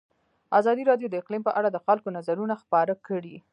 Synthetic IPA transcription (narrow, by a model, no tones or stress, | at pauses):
azɑd̪iɾɑdjod̪əɪqlimpəʔaɽad̪əxalkonazaɾunaxpɑɾakəɽi